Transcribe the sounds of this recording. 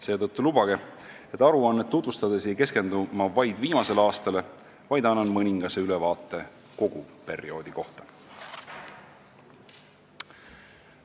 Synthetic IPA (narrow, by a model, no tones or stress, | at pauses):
se̞ːt̪ɤt̪ːulubɑɡ̥e | e̞t̪ːˑɑɾuɑnːet̪ːut̪vust̪ɑd̪e̞s̬ejke̞ske̞nd̪umɑvɑjd̪̥viːmɑse̞lɑːst̪ɑle̞ | vɑjd̪ɑnːɑnmɤnʲiŋɡ̥ɑse̞ylɛvɑːt̪ːˑe̞ | ko̞ɡ̥upe̞ɾio̞ːd̪̥iko̞ht̪ɑ̥